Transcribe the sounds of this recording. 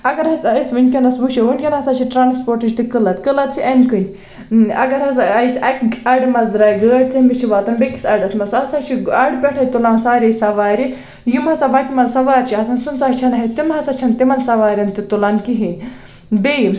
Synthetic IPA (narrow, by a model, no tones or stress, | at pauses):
ɐɡɐɾɐsɐsʲʋɨnʲkʲɐnɐsbuʃeʋunʲkʲɐnɦɐsat͡ʃʰiʈɾaːnspoːɾʈɨd͡ʒʲt̪ikɨlɐt̪kɨlɐt̪̚t͡ʃʰiʔɐnkɨnʲ | ɐ̰ɡɐɾɦɐs̬ɐisʲɐkɐɖmɐzd̪ɾaːjɡəːɖ̚t͡s̪ʰimit͡ʃʰiʋaːt̪ɐnbekʲi̥sʲɐɖɐsmɐsɐsat͡ʃʰiɐɽbʲɛʈʰɐjt̪ulaːnsaːɾʲesɐʋaːɾʲi | jimɦɐsabakʲimɐlsɐʋaːɾʲt͡ʃʰiɐsɐnsunt͡sat͡ʃʰɐnɐɦit̪imɦɐsat͡ʃʰɐnt̪imɐlsɐʋaːɾʲɐnt̪it̪ulaːnkiɦi | bei